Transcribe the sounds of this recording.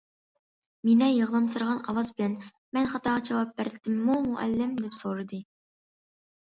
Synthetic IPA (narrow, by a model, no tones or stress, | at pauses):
minɛjəʁlˠɑmsɨɾʁɑnɑwɑzbɪlɛn | mɛnχɑt̪ʰɑːʁɑd͡ʒɛwɑp̚bæɾd̪ɪmːumuʔɛ̰lːɪmd̪ɛpsoɾɨd̪ɨ